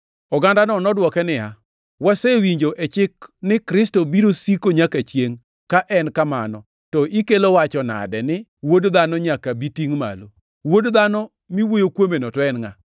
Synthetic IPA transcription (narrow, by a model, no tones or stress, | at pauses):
ɔɡandanɔnɔdwɔkɛnɪja | wasewiɲd͡ʒoʔet͡ʃɪknɪkɾɪstobiɾosikoɲakat͡ʃjeŋ | kaʔɛnkama̰nɔ | tɔʔikelowat͡ʃɔna̰dɛnɪwodd̪anɔɲakabitiŋma̰lo | wodd̪anɔ | miwojokwomenɔtɔɛnŋa